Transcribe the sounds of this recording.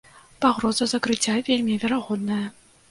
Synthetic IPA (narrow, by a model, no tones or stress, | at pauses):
paɣɾɔzɐzɐkɾɨt͡sʲːavʲelʲmʲivʲɛɾaɣɔd̪nɐjɐ